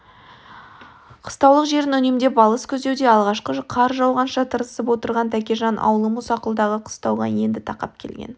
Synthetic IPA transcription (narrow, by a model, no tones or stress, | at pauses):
qʰə̥st̪ɑwlˠəqʒe̞ɾɪnʏnemd̪e̞bɑlˠəskʲʰɵzd̪e̞wd̪e̞ɑlˠʁɑʃqəqʰɑɾʒɑwʁɑnʃɑt̪ʰəɾəsəpwo̞t̪əɾʁɑnt̪ʰækʲeʒɑnʔɑ̰wəlˠəmusɑqəlˠd̪ɑʁəqʰə̥st̪ɑwʁɑ̰je̞nd̪ɪt̪ʰɑqɑ̰pkʲʰe̞lɡʲḛn